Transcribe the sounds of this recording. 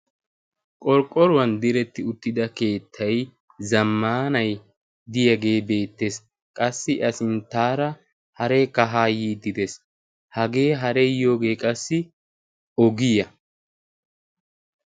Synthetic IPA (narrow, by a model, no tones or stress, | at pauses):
kʼɔɾkʼːɔɾʊwɐnd̪ɪɾɛt̪ːɪʊt̪ːɪd̪ɐke̞ːt̪ʰːɐj | zɐmːaːnɐj | d̪ɪjɐɡe̞ːbe̞ːt̪ːes | kʼɐsːɪʔɐsɪnt̪aːɾɐ | hɐɾɛkɐɦaːjiːd̪ɪd̪ɛs | hɐɡe̞ːɦɐɾɛjo̞ːɡe̞ːkʼɐsːɪ | ɔɡɪjɐ